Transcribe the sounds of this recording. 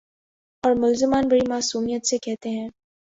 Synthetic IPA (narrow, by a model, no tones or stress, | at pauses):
ɔːɾmʊlzɪmaːnbɐɽimaːsuːmijət̪sekɛɦt̪eɦɛ̃ː